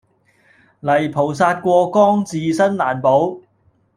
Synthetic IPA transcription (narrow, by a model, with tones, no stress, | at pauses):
lɐ˨˩jpʰo˨˩ws̬aː˧t̚kʷɔː˧kɔː˥ŋt͡siː˨˧sɐ˥nlaː˨˩npo˨˥w